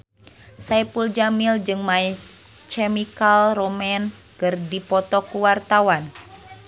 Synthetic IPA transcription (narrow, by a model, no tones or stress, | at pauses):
sajpuld͡ʒamild͡ʒɨŋmaɛ | t͡ʃɛmikalrɔmɛn | kɨrdipɔt̪ɔkuwart̪awan